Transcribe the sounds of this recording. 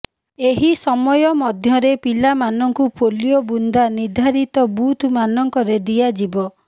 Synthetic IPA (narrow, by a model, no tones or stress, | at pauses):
eɦisɔmɔjɔmɔd̪ʱjɔɾepilamanɔŋkupolijɔbund̪aniɾd̪ʱaɾit̪ɔbut̪ʰmanɔŋkɔɾed̪iad͡ʒibɔ